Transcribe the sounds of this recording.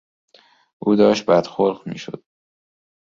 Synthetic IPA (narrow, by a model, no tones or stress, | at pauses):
ʔuːd̪ɒːʃt̪̚bæd̪xoɾɢmḭːʃo̰d̪̥